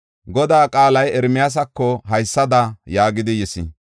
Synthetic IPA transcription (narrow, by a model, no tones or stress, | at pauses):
ɡɔd̪aːkʼaːlɐjɛɾmɪjas̬ɐkːɔɦɐjsːɐd̪ɐjaːɡɪd̪ɪjɛsɪ̰